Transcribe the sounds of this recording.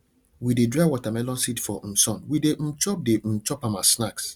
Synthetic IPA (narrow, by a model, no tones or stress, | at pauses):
widedɾawɔtamɛlɔ̃nsitfɔm̩sɔ̃nwidem̩t͡ʃɔp̚dem̩t͡ʃɔpãmasnaks